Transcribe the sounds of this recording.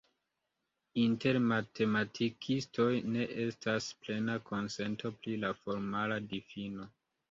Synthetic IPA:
inte̞ɾmatʰe̞matʰikʰisto̞jne̞ʔe̞stasple̞nakʰo̞nse̞ntʰo̞pɾilafo̞ɾmaladifino̞

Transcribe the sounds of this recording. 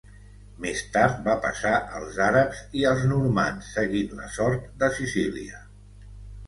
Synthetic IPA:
mest̪aɾt̪̚bapə̰saʔəlˠzaɾəpziəlˠznuɾma̰nsːəɣitlə̰sɔɾt̪̚d̪əsisiliə

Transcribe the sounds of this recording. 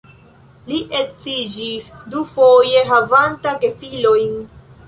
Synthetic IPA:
liʔe̞t͡sid͡ʒisdufo̞je̞ɦavantakefilojn

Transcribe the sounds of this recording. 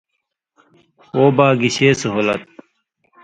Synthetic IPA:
oːbaːɡiɕeːsuɦolɐ̰t̪̚

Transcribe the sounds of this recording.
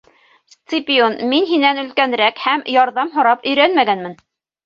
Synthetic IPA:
st̪sɨpʲionminɦinænɵ̆lkænɾækhæmjɑɾðɑmɦŏɾɑpɵ̆jɾænmæɡænmɘn

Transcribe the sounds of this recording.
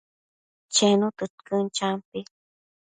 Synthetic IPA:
t͡ʃenut̪ɨt̪kənt͡ʃampi

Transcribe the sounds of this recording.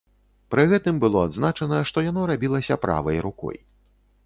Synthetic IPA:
pɾɨɣɛt̪ɨmbɨlˠɔad̪znat͡ʂɐnɐʂt̪ɔjanɔɾabʲilˠɐsʲɐpɾʔa̰vɐ̰jɾukɔ̰j

